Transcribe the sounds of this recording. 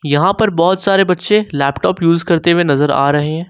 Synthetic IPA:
jɐɦãpɐɾbɔːʊt̪saːɾebɐtːʃelɛːpʈɔːpjuːzkɐɾt̪ewenɐzəɾa̰ːɾɐɦeɦɛ̃ː

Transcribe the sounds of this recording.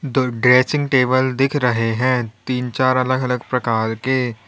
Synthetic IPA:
dɖɾeːsɪ̃ŋɡʈeːbəld̪ɪkʰɾɐɦeɦɛ̃ːt̪iːnt͡ʃaːɾɐləɡɐləɡpɾɐkaːɾke

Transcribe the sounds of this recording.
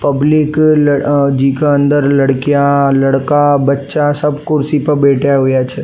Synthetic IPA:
pɐblɪkld͡ʒikeə̃nd̪əɾlɐɽkijalɐɽkabɐtːʃasɐbkʊɾsipɐɾbeːʈʰjaɦʊːjat͡ʃʰeː

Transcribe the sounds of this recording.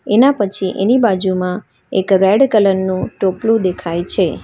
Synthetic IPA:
enapət͡ʃʰiʔḛnibad͡ʒumã | ekɾɛɖkələnːũʈoplũd̪ekʰajt͡ʃʰe

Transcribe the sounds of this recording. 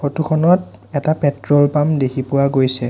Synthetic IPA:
otukʰɔnɔt | ɛtapɛtɹɔlpamdekʰipʊwaɡojsɛ

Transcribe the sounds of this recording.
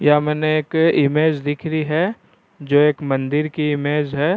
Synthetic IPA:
jamɛːneeːkɪmeːd͡ʒd̪ɪkʰɾiɦɛ | d͡ʒoːeːkmɐ̃nd̪ɪɾkiɪmeːd͡ʒɦɛː

